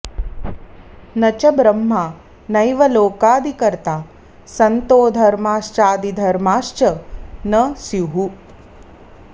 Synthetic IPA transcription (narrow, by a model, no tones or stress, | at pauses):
nɐt͡ʃɐbɾɐmːaː | nɐjʋɐloːkaːd̪ʱikɐɾt̪aː | sɐnt̪oːd̪ʱɐɾmaːʂt͡ʃaːd̪id̪ʱɐɾmaːʂt͡ʃɐnɐsjuɦu